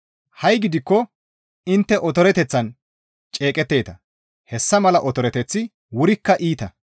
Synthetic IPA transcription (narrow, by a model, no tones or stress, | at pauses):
hɐjɡɪd̪ɪkːɔ | ɪnt̪ːɛʔɔt̪ɔɾɛt̪ɛt͡sːɐn | t͡ʃʼeːkʼɛt̪ːe̞ːt̪ɐ | hɛsːɐmɐlɐʔɔt̪ɔɾɛt̪ɛt͡sːɪ | wʊɾɪkːɐʔiːt̪ɐ